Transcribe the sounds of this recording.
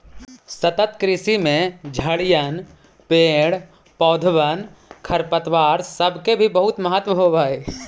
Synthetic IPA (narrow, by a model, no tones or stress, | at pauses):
sət̪ət̪kɾɪsimẽd͡ʒʱəɽjən | peːɽ | pɔːd̪ʱʋənkʰɐɾpət̪ʋaːɾsəbʱkebʱibəɦʊt̪məɦət̪ʋəɦoʋaːeː